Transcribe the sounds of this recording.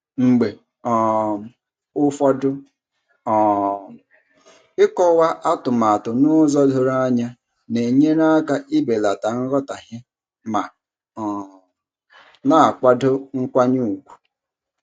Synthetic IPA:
ŋ͡m̩˨ɡ͡be˨ | ɔ˨m˨ | ʊ˦fɔ˦dʊ˦ | ɔ˨ | ɪ˦kɔ˦wa˦ʔa˦tʊ˨ma˨tʊ˨nʊ˦zɔ˦dʊ˦ɾa˦ɲa˦ | ne˨ɲe˦na˦ka˦ʔi˦be˨la˨ta˨ŋ̩˦ɣɔ˦ta˨ɦɪ˦ | ma˨ | na˦a˨kʷa˦dʊ˦ŋ̩˦kʷa˦ɲu˦˨kʷu̥˨

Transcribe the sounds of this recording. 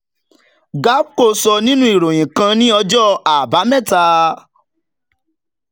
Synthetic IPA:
ɡa˦ko˦˨sɔ˧nĩ˦nũ˦i˨ɾo˨j̃ĩ˨kã˧nĩ˦ɔ˧d͡ʒɔ˦a˨ba˨˦mɛ̃˦˨ta˧

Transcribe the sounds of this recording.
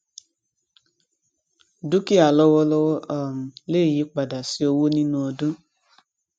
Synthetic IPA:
du˦ki˦a˨lɔ˦wɔ˦lɔ˦wɔ˦ʔɔ˨m̩˨le˦˨ji˨˦k͡pa˨da˨si˨˦o˧wo˦nĩ˦nũ˧o˧dũ˦

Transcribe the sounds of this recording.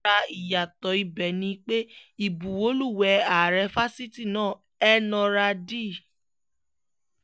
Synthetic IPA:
a˧i˨ja˨tɔ˨˦i˨˧bɛ˨nĩ˧k͡pe˦i˨bũ˨o˨˦lu˦˨wɛ˨˧˦a˨ɾɛ˧˦fa˦si˦ti˦˨nãː˦˨ | ɛ˦nɔ̃˧ɾa˧di˦˨

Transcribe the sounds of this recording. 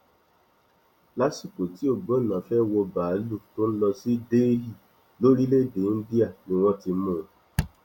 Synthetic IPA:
la˦si˦˨ko˨ti˦o˨ɡ͡bo˦nã˨fɛ˦wo˧baː˨˦lu˦˨to˦n̩˦lɔ˧si˦deː˦ɦi˦˨ | lo˦ɾi˦le˦de˨˦n̩˦di˦a˦˨nĩ˨wɔ̃˦ti˧˦mõ˦˨

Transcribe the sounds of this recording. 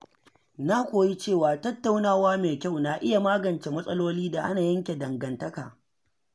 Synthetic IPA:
na˦kʷoː˨ji˦t͡ʃeː˦˨waː˨tɐ˦tːa˨wnaː˦waː˦meː˨kʲa˦˨wna˨ʔɪ˦ja˨maː˦ɡɐ˨nt͡ʃe˨mɐ˦sʼɐ˦loː˦liː˦da˨ʔa̰˦naː˨jɐ˦ŋkʲe˨dɐ˨ŋɡɐ˨ntɐ˦kaː˨

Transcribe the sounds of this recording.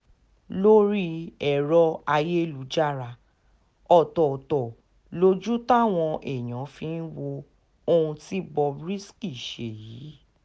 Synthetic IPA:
lo˦ɾi˦ɛ˦˨ɾɔ˧a˧je˦˨lu˨˦d͡ʒa˦˨ɾa˧˨ | ɔ˦˨tɔ˨tɔ˨ | lo˧d͡ʒu˦ta˦˨w̃ɔ̃˧ɛ˨j̃ɔ̃˨˦fĩ˧n̩˦wo˧ | o˧ũ˧ti˦bɔ˧bɾi˦ski˦˨ʃe˨jiː˨˦

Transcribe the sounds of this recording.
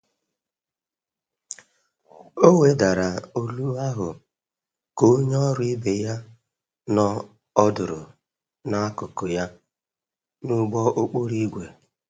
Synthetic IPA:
o˦we˨da˨ɾa˨o˦lu˦a˦ɦʊ̰˨ | ko˦ɲ˦ɔ˦ɾi˦be˨ja˦ | nɔ˦ | ɔ˦dʊ˨ɾʊ̰˨ | na˦kʊ˨ko˨ja˦ | nu˦ɡ͡bɔ˦ʔo˦k͡po˦ɾi˦ɡʷe˨

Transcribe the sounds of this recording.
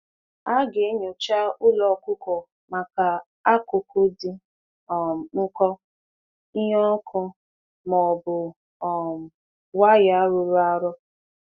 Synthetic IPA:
a˦ɡe˨˦ɲo˨t͡ʃa˦ʊ˦lɔ˨˦kʊ˦kɔ˨ | ma˨ka˨ | a˦kʊ˨kʊ˦dɪ˦˨ | ŋ̩˦kɔ˦ | i˦ɦɔ˦kʰɔ˦ | mɔ˨bʊ˨ | m˨ | wa˦ja˨˦ɾʊ˨ɾʊ˦a˦ɾɔ˦

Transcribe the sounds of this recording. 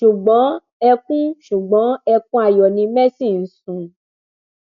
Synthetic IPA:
ʃu˨ɡ͡bɔ̃˨˦ | ɛ˧kũ˦ʃu˨ɡ͡bɔ̃˨˦ɛ˧kũ˦a˦˨jɔ˨nĩ˧mɛ˦si˦˨n̩˨sũ˨

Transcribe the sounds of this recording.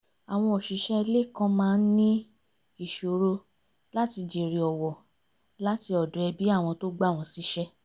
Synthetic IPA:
a˨w̃ɔ̃˧o˨ʃi˨˦ʃɛ˦˧le˦˨kã˧mãː˦˧n̩˦nĩ˦ | i˦˨ʃo˨ɾo˧ | la˦ti˧d͡ʒe˨ɾi˨ɔ˨wɔ˨ | la˦ti˧ɔ˨dɔ˨ɛ˧bi˦a˦˨w̃ɔ̃˧to˦ɡ͡ba˦˨w̃ɔ̃˧si˨˦ʃɛ˦

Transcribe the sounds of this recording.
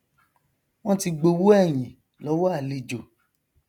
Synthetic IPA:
w̃ɔ̃˦ti˧ɡ͡bo˧wu˦ɛ˦˨j̃ĩ˨ | lɔ˨˦wɔ˦a˦˨le˧d͡ʒo˨

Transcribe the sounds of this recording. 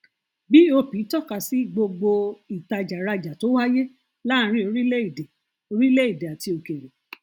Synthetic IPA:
bi˦o˧pĩ˨˦tɔ˦˨ka˨si˨˦ɡ͡bo˧ɡ͡bo˧i˨ta˧d͡ʒa˨ɾa˧d͡ʒa˨to˨˦wa˦je˦ | lã˦˧˦ɾ̃ĩ˦o˧ɾi˦le˦i˦˨de˨ | o˧ɾi˦le˦i˦˨de˨a˨ti˧o˧ke˨ɾe˨

